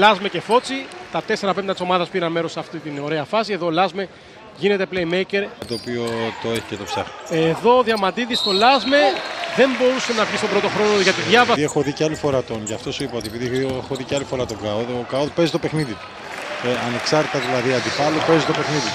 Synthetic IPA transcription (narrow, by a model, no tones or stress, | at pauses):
lɐzmece̞fo̞t͡sit̪ɐt̪e̞se̞ɾɐpe̞mt̪ɐt̪i̥so̞mɐðɐspiɾɐnme̞ɾosːɐft̪it̪ino̞ɾe̞ɐfɐsie̞ðo̞lɐzme̞ | ʝine̞t̪e̞plejme̞jce̞ɾt̪oːpio̞t̪o̞e̞çi̥cet̪o̞psɐ̰xneðo̞ðjɐmɐt̪iðist̪o̞lɐzme̞ðe̞mbo̞ɾusenɐvʝist̪o̞bɾo̞t̪o̞xɾo̞noʝɐt̪iðjɐvɐiexoðiceɐlifoɾɐt̪onʝɐft̪o̞suipɐot̪iepiðiexoðiceɐlifo̞ɾɐt̪o̞ɡɐoðokɐoðpe̞zit̪ope̞xniðit̪u̥ | eɐne̞ksɐɾt̪t̪ɐðilɐðiɐnd̪ifɐlope̞zit̪o̞pe̞xniðit̪